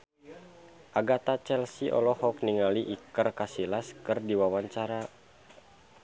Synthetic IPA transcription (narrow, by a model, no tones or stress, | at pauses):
ʔaɡat̪at͡ʃɛlsiʔɔ̰lɔhɔk̚niŋaliʔikərkasilaskɨrdiwawaɲt͡ʃaɾa